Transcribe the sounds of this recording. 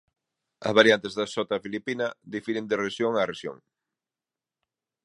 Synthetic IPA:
ɐ̰zβaɾjant̪ɪzðɐsɔt̪ɐfilipinɐðifiɾend̪ɪreʃjoŋareʃjo̰ŋ

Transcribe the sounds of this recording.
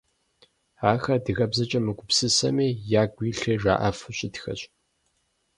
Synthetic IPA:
aːxɐdɨɣɐbzɐt͡ʃʼɐmɨɡʷʊpsɨsɐ̰meːjaːɡʷiːɬeʐa̰ːʔɐfɨɕʼɪtxɐ̰ɕʼ

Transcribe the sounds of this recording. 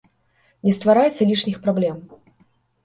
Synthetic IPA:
nʲɛst̪vaɾajɛt̪sɐlʲiʂnʲixpɾablʲɛm

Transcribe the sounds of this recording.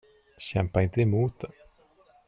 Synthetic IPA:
ɕɛmpaɪnt̪əɛmuːt̪

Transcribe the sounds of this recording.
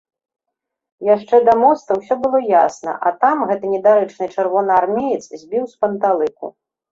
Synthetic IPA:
jaʂt͡ʂɛd̪ɐmɔst̪ɐwsʲɔbɨlˠɔja̰snɐ̰ʔɐt̪amɣɛt̪ɨnʲɛd̪aɾɨt͡ʂnɨt͡ʂɨrvɔnɨarmʲejɛt̪szʲbʲiwspɐnt̪alˠɨkṵ

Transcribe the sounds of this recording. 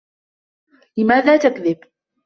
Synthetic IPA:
lɪmaːðaːt̪akðɪb

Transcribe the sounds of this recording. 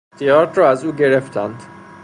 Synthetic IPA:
t̪ʰijɒːɾt̪ɾɒːæzuːɟe̞ɾeft̪ʰænd̪̥

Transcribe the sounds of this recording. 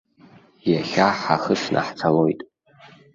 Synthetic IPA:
jaχʲaħaχəʂnʔa̰ħt͡sʰalo̞jtʼ

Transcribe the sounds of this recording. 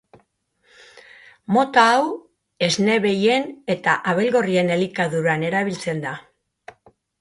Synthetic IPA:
mo̞t̪aːw | e̞zne̞βe̞je̞ne̞t̪aʔaβelɣo̞rie̞ne̞likaðuɾane̞ɾaβ̞ilt͡se̞nd̪a

